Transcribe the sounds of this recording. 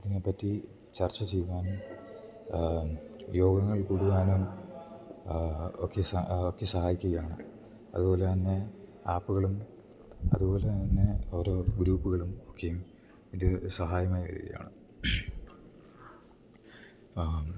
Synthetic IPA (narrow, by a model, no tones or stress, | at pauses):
ɐðinepːɐtːi | t͡ɕɐrt͡ɕːɐt͡ɕejʋaːnum | jo̞ːɡɐŋːɐɭkuɽuɣaːnum | okːe̞sɐokːe̞sɐɦaːjikʲːuɣɐjaːɳɨ | ɐ̰ðubo̞ːlet̪ɐnːe̞aːpːuɣɐɭum | ɐ̰ðubo̞ːle̞t̪ɐnːe̞o̞ːɾo̞ːɡɾuːpːuɣɐɭumo̞kːe̞jum | iðɨsɐɦaːjɐmaːjʋɐ̰ɾḭɣɐ̰ja̰ːɳɨ